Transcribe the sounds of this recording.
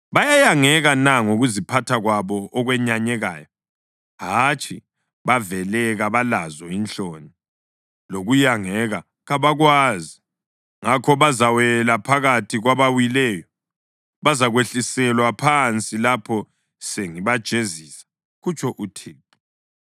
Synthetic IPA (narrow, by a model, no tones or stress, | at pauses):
βajajaŋɛɣanaŋoɣuzipʰatʰaɣwaβɔɔɣwɛɲaɲɛɣa̰ːjɔ | ɦat͡ʃʰʼi | βavɛlɛɣaβalazɔint͡ɬʼoːni | loɣujaŋɛɣa | ɣaβaɣwaːzi | ŋakʰɔβazawɛlapʰaɣatʰiɣwaβawilɛjɔ | βazaɣweɬisɛlwapʰant͡sʼilapʰɔ | seŋiβad̥ʒ̥ʱeziːsḁ | ɣut͡ʃʰʼɔʔutʰeːtʼu̥